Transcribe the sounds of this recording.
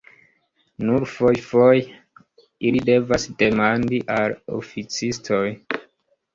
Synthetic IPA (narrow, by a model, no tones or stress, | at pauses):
nuɾfo̞jfoj | ilide̞vasde̞mandiʔalo̰fit͡sistʰo̞j